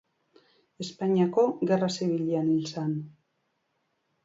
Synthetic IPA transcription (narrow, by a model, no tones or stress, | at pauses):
e̞spaɲiako̞ɣe̞raseβiʎianilsan